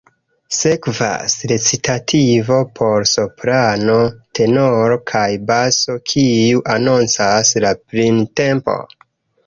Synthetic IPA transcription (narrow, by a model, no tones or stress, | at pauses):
se̞kva̰sɾet͡sitatʰivo̞pʰo̞ɾsopɾano̞tʰe̞no̞ɾokʰajbaso̞kʰiuʔanont͡saslapɾinte̞mpo̞̰